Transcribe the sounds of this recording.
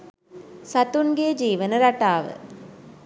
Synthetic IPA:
sɐt̪ːunɡeːd͡ʒiːʋɐnɐɾɐʈːaːʋɯ̰

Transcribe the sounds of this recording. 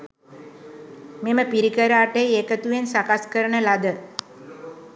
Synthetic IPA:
meməpiɾikəɾaːʈejeːkət̪uʋensakaskəɾəɳəlad̪ə

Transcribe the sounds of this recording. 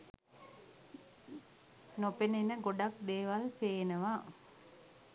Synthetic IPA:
nopenenəɡoɖak̚d̪eːʋalpeːenəʋa

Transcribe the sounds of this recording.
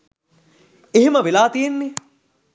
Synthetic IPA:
eɦeməʋelaːt̪ijenːe

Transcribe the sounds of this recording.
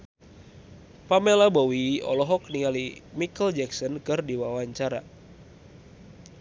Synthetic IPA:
pamelabowiɔ̰lɔɦɔkniŋalimikəld͡ʒɛksɔnkɨrdiwawaɲt͡ʃaɾa̰

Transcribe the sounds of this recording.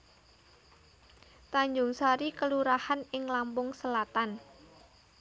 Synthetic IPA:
t̪aɲd͡ʒʊŋsaɾikəluɾahanɪŋlampʊŋsəlat̪an

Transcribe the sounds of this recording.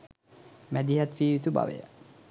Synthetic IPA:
mæd̪iɦat̪ʋiːʋit̪uba̰ʋḛjə̰

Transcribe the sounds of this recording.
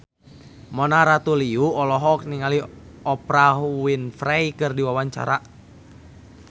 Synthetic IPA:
mɔnaɾat̪uliuɔlɔɦɔk̚niŋali | ɔpɾawinfɾajkɨrdiwawaɲt͡ʃa̰ɾa

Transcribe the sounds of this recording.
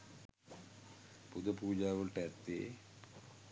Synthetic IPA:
pud̪ɐpuːd͡ʑaːʋəlʈɛt̪ːḛː

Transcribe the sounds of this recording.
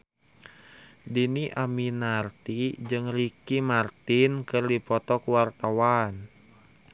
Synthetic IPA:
diniʔaminart̪id͡ʒɨŋrikimart̪inkɨrdipɔt̪ɔkuwart̪awan

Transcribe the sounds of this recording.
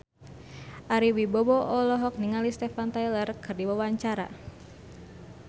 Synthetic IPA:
ʔaɾiwibɔbɔʔɔlɔɦɔk̚niŋalist̪ɛfant̪ajlərkɨrdiwawaɲt͡ʃaɾa̰

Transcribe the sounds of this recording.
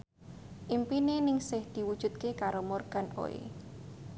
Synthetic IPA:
ʔimpinenɪŋsɪhd̪̥i̤wud̥ʒ̥ṳt̪̚kekaɾomorɡ̥a̤no̰ḛ

